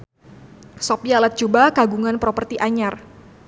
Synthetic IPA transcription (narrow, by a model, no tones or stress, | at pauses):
sɔpialat̪̚d͡ʒubakaɡuŋanpɾɔpərt̪iʔaɲar